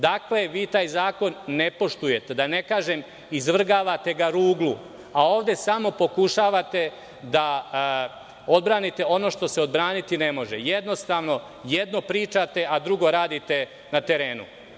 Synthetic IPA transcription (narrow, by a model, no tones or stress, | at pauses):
d̪akle̞ʋiːt̪aːjzaːko̞nːe̞po̞ʃt̪uje̞t̪e̞d̪ane̞kaːʒem | izʋr̩ɡaːʋat̪e̞ɡaɾuːɡlˠu | aoːʋd̪e̞samo̞po̞kuʃaːʋat̪e̞ | d̪a | o̞d̪̚bɾaːnit̪e̞o̞no̞ːʃt̪o̞se̞o̞d̪bɾaːnit̪ine̞mo̞ʒejed̪no̞st̪aːʋno̞ | jed̪no̞pɾiːt͡ʃat̪e̞ʔad̪ɾuɡo̞ɾaːd̪it̪e̞ | nat̪e̞ɾe̞ːnṵ